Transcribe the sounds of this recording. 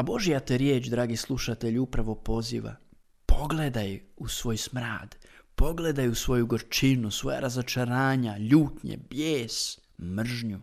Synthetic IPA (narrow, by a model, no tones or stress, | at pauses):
abo̞ʒijat̪eɾjeːt͡ʃd̪ɾaːɡislˠuʃat̪eʎupɾaʋo̞po̞zḭʋa̰ | pʰo̞ɡle̞d̪ajusʋo̞ːjsmɾa̰ːd̪po̞ɡle̞d̪ajusʋo̞juɡoɾt͡ʃinusʋo̞ja̰ɾazot͡ʃaɾaːɲaʎuːt̪ɲḛbjeːs | mr̩ʒɲu